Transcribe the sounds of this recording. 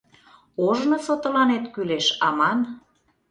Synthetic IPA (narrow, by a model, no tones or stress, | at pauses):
oʒnosot̪olɑnet̪kyleʃɑmɑn